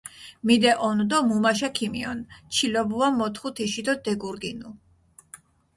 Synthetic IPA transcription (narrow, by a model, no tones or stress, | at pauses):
mid̪ɛʔɔnd̪ɔmumaʃ̬akʰimiɔnt͡ʃʰilɔbuamɔt̪ʰχut̪ʰiʃid̪ɔd̪ɛɡuɾɡinu